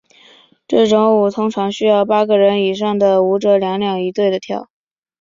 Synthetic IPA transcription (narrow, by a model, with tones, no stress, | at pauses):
ʈ͡ʂɤ˥˩ʈ͡ʂʊ˧˥ŋu˨˩t̪ʰʊ˥ŋʈ͡ʂʰɑ˧˥ŋɕy˥jɑ˥˩ʊpa˥ɡə˨ɻə˧˥ni˨˩ʂɑ˥˩ŋd̪ə˩u˧˥ʈ͡ʂɤ˧˥ljɑ˧˥ŋljɑ˨˩ŋi˧˥t̪we˥˩ɪd̪ə˩t̪ʰjɑ̰˥˩ʊ